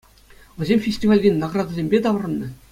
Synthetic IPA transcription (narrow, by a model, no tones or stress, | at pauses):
ʋʲɘ̆zʲemʲfʲesʲtʲivɑlʲdʲenʲnɑɡrɑd̪azʲemʲbʲet̪ɑʋ̆rɤ̆nːɤ̆